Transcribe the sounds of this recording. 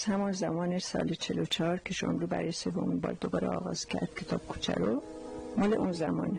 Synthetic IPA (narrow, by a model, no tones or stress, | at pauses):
z̥hæmɔnzæmɒːnesɒ̰ːlet͡ʃʰelot͡ʃʰɒːɾcʰeʃɒ̰ːmɾuːbæ̰ɾɒːjese̞vominbɒ̰ːɾd̪obɒːɾeɒːɣɒːz̥cʰæɾd̪̥̚kʲʰe̞t̪ʰɒːb̥kʰu̥ːt͡ʃʰæ̰ɾo | mɒːleʔunzæmɒ̰ːn